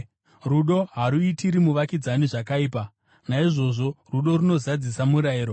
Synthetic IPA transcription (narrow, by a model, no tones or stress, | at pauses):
ruɗo̞ɦaɾuitiɾimuʋakid͡zaniʐakaiːpa | naiʐo̞ʐo̞ruɗo̞ɾuno̞zad͡zisamuɾaiːɾo̞